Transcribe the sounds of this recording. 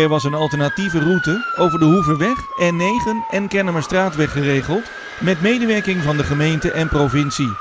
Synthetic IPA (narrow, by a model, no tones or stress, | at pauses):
ɛɹʋɑsənɑlˠtəɹnativərutəowvəɹdəɦuvəʋɛχɛnːejχənʔɛnkɛnəməstraːtʋɛχərejχəlˠt | mɛtmejdəʋɛɹkɪŋvɑndəχəmejntəʔɛnprovɪnsi